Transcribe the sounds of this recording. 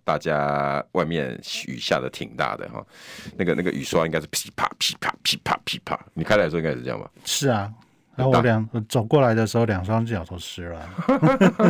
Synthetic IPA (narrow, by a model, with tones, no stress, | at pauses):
t̪a̰˥˧t͡ɕja˦wʔa˥˧ɪmjɛ̰˥˨ny̰˨˩ɕja̰˥˨˩d̪ə˨t̪ʰḭ˨˩ŋt̪a̰˥˩d̪ə̰˩xɔ̰˨˩na˥˩ɡə˨na˥˩ɡə˨ʔy̰˨˩swa˦i˥ŋka˥ɪʂ̬ɻ̩˥˩pʰi̥˨˥pʰa̰˥˩pʰi̥˨˥pʰa̰˥˩pʰi˨˥˩pʰa̰˥˩pʰi˨˥pʰa̰˥˩ni˨kʰa˥˩a˧˩ʂɔ˥˧iŋa˥˧˨j̰ɑ̰˥˨mba̰˨˩ʂɻ̩˥˩ɐ˩ | a˥˩wɔ˦˥˦ljɑ˨˩˦ŋɔ˧˩t͡so˨˩ʊkwɔ˥˩la˧˦ɪd̪ə˧ʂ̩˧˥xo˥˧ʊljɑ˨˩ŋʂɑ˥ŋ̩˥˩jɑ˨˩t̪ʰo˧˥ʊʂɻ̩˥lə˨